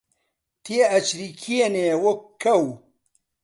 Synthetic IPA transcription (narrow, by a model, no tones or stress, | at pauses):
t̪ʰieɐt͡ʃɾikʰienewokkʰːɐw